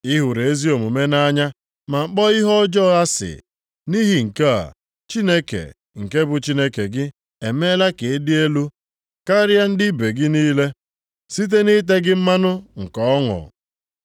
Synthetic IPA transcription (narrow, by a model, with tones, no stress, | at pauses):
ɪ˦ɦʊ˨ɾe˨e˦zi˦o˨mu˨me˦na˦ɲa˦ | ma˨ŋ͡m̩˦k͡pɔ˦ɪ˦ɦɔ˦d͡ʒɔ˦˨a˦sɪ̰˨ | ni˦ɦi˨ŋ̩˨ke˦a̰˨ | t͡ʃi˦ne˦kḛ˨ | ŋ̩˨ke˦bʊ˨t͡ʃi˦ne˦ke˨ɡɪ˦ | e˨me˦la˦ke˨e˦dɪ˦e˦lu˦ | ka˦ɾja˦n̩˦dɪ˦be˨ɡɪ˦niː˦le˦ | si˦t̬e˦ni˦t̬e˦ɡɪ˦m̩˦ma˦nʊ˦ŋ̩˨kɔ˨ɔ˦ŋɔ̰˨